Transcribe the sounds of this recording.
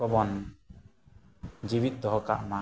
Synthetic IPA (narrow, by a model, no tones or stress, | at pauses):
ɔbɔn | d͡ʒibit̪̚d̪ɔɦɔka̰ʔma